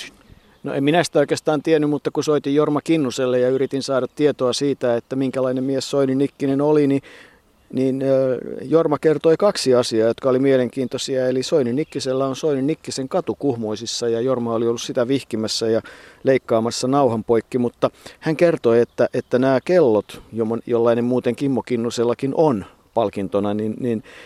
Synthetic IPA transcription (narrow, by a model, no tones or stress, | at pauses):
no̰ʔḛmminæsi̥t̪æoikest̪ɑːnt̪ienːymmut̪ːɑkusoit̪ijjormɑkinːuselːejɑyɾit̪insɑːɾɑt̪t̪iet̪oɑsiːt̪æet̪ːæmiŋkælɑinemmiessoinynːikːinenolini | niːnːjormɑkert̪oikɑksiɑsiɑːjot̪kɑolimieleŋkiːnt̪osiɑelisoininikːiselːæonsoininːikːiseŋkɑt̪ukuhmoisisːɑjɑjormɑoliolːussit̪æʋihkimæsːæjɑleikːɑːmɑsːɑnɑuhɑmpoikːimut̪ːɑhæŋkert̪oiet̪ːæʔet̪ːænæːkelːot̪jomojolːɑinemmuːt̪eŋkimːokinːuselːɑkinʔon | pɑlkint̪onɑninnin